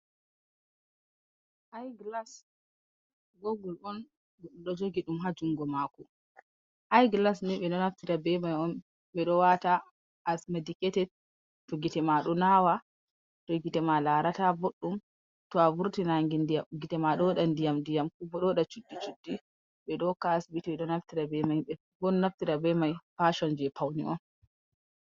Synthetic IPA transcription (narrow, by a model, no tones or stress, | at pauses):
ʔajɡlas | ɡoɡɔlɔn | ɔɗɔd͡ʒoɡiɗumɦad͡ʒuŋɡɔmakɔ | ʔajɡlasnɛɓɛɗɔnaftitabɛmajɔn | ɓɛɗɔwata | ʔːsmadikɛtɛd | tɔɡitɛmaɗɔnawa | tɔɡitɛmalaɾataboɗːum | tɔavuɾtinaŋɡindaɡitɛmaɗɔɗandijamndijamkubɔɗɔɗat͡ʃudːit͡ʃud̥ːi | ɓɛɗɔkasbitiɓɛɗɔnaftiɾabɛmajɛ | bɔnnaftiɾabɛmajfaʃɔnd͡ʒɛpʰawnḭʔɔ̰n